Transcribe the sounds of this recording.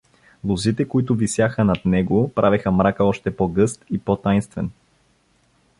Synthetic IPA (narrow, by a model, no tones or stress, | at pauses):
lˠozit̪ɛkoit̪ʊvisjaxənɐt̪nɛɡopɾʔavɛxəmɾakəɔʃt̪ɛpɔɡɤst̪ipɔt̪ajnst̪vɛn